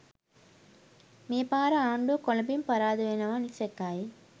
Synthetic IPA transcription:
meːpaːɾɐaːɳɖukɔlɐbimpɐɾaːðɯʋenɐʋaːnisekːaːji

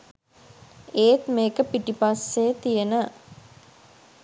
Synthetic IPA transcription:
eːt̪meːkəpiʈipasːeːt̪ijənə

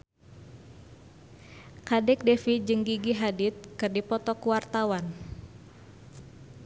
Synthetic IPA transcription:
kadɛk̚dɛfid͡ʒɨŋɡiɡiɦadit̪̚kɨrdipɔt̪ɔkuwart̪awan

